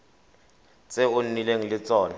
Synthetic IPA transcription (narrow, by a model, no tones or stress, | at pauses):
t͡sʼɛʊnnileŋilɪt͡sʼɔːna